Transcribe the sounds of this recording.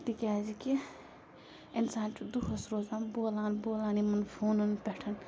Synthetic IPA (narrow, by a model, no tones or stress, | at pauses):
t̪ikʲaːziki | ensaːnʈud̪uɦosɾoːzaːnboːlaːnboːlaːnimɐnpʰoːnunpeʈʰɐn